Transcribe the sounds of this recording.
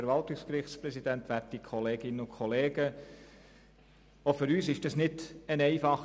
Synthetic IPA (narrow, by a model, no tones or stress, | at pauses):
ɾʋɑltɪkskrɪχtspɾɛsid̪ænt̪ʋætikʰχɔleːɡ̥ɪnəʊkʰχɔleːɡ̥ə | ofʏɾyːsɪʃd̥ɑsnɪdənɛɪfɑχ